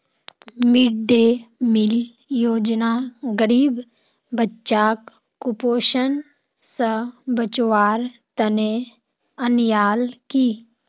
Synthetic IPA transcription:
mɪɖemɪl | joːd͡ʒnaːɡəɾiːb | bətːʃaːkː | ʊpoːʃən | səbət͡ʃʋaːɾt̪əne | ənjaːlkiː

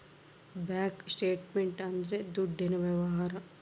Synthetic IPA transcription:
baːksʈeːʈmeɳʈɐnd̪ɾed̪uɖʱːenɐʋjɐʋɐɦaːɾɐ

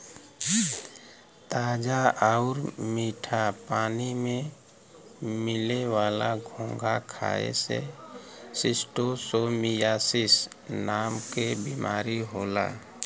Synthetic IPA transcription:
t̪aːd͡ʒaaʊɾmiːʈʰapaːnimẽ | mɪlewaːlaɡʱõːŋɡʱakʰa̰ːḛsḛ | sɪsʈosoːmijaːsɪs | naːmkebimaːɾiɦoːla̰ː

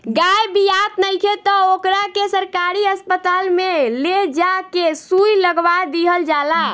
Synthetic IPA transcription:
ɡajbijat̪nəjkʰet̪ɔokɾakesəɾkaɾiəspət̪almeled͡ʒakesujləɡʋad̪iɦəld͡ʒala

